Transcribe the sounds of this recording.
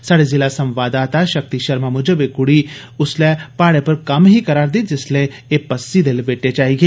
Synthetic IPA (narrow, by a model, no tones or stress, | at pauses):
saːɽezɪlasɐ̃mʋaːd̪aːt̪aʃɐk̚t̪iʃɐɾmamʊd͡ʒəbekʊɽi | ʊslɛpaːɽepɐɾkɐmɦikɐɾaːɾd̪it̪̚d͡ʒɪsle | eːpɐsːid̪elbeːʈet͡ʃaːɦiɡeː